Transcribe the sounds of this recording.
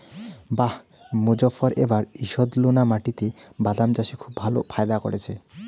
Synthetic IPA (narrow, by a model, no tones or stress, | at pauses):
bah | mod͡ʑɔfaɾebaɾiʃod̪lonamaʈit̪ebad̪amt͡ɕaʃikʰubːʱalo̰pʰaed̪ako̰ɽet͡ɕʰe